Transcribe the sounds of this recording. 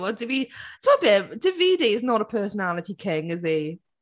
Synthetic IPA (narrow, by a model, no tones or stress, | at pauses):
ədɪvitʰəbɪd̥ɪviːdiɪznəɾəpʰɜːˑsənalɪtikʰɪ̃ŋɪzi